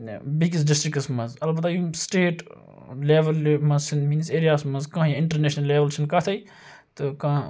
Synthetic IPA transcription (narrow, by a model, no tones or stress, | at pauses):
biɡis̬ɖɪsʈɾɪkɐsmɐzɐlbɐt̪ɐjisʈeːʈ | leːʋɐlmɐ̃zsʰinmiːnseːɾijaːsmɐzkãːjãɪ̃ɳʈɐɾneːʃnɐlːeːʋɐlsʰinkɐt̪ʰɐi | t̪ɨkãː